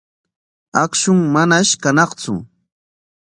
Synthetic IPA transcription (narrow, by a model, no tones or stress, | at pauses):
akʃʊŋmanaʃkanɑχt͡sʊ̰